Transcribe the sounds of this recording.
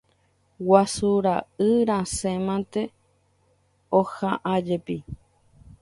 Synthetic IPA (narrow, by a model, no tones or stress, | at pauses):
wasuɾaɨɾãsẽmãnt̪e | ohãʔad͡ʒepi